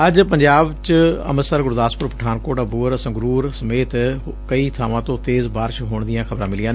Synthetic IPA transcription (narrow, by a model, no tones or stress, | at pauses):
ɐd͡ʑpɐ̃ɲd͡ʑaːbt͡ɕɪɐ̰məsəɾɡʊɾd̪aːspʊɾpɐʈʰaːnkoːʈabuːəɾɐsãːɡʊɾuːɾsɐmeːt̪ | kɐit̪ʰaːʋãːt̪ot̪eːzbaːɾʃɦoːɽ̃d̪ijãxɐbɾãːmɪlijãːn